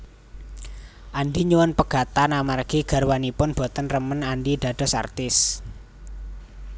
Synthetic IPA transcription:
ʔanɖiɲuwənpəɡ̥a̤t̪anamarɡ̥iɡ̥a̤rwanipʊnb̥ɔ̤t̪ənrəmənanɖid̥a̤ɖ̥ɔ̤sa̰rt̪ɪs

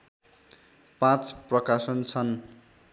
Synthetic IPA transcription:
pãt͡sprʌkasʌnt͡sʰʌn

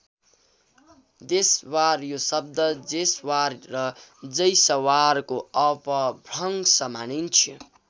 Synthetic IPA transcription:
d̪eswaɾjosʌb̚d̪ʌd͡zeswaɾɾʌd͡zʌjsʌwaɾkoʌpʌbʱɾʌŋsʌmanint͡sʰi

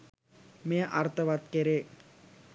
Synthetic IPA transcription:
mejəʔɐɾt̪əʋat̪keɾe

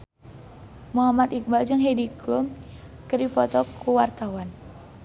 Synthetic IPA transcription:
muɦamat̪ik̚bald͡ʒəŋɦediklum | kədipɔt̪ɔkʰuwart̪awan

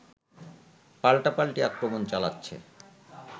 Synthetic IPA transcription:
palʈapalʈiakɾomont͡ɕala̰tːɕʰḛ

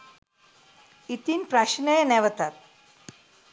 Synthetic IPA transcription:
it̪iːnpɾaɕinəjənɛʋət̪at̪̚

